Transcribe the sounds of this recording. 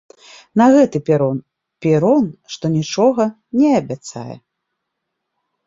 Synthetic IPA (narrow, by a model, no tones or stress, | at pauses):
nɐɣɛt̪ɨpʲɛɾɔn | pʲɛɾɔnʂt̪ɔnʲit͡ʂɔɣɐ | nʲɛɐbʲat̪sa̰jɛ̰